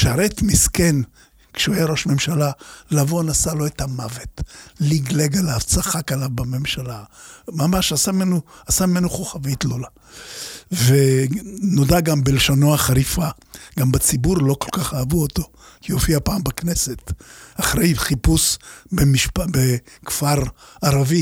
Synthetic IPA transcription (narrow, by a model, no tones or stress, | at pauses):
ʃaɾetmisken | kʃeajaɾo̞ʃme̞mʃalalavoanasalo̞ethamavetliɡleɡalaːvt͡saχakalavbame̞mʃalamamaʃasamenuasamimenuχoχavitlola | venodaɡambeleʃonoaχaɾifa | ɡ̥ambat͡sibuɾlo̞ko̞lkaχaːvuoto̞ | kiofiapaːmbaknesetaχɾejχipusbemiʃpabekfaʁaʁavi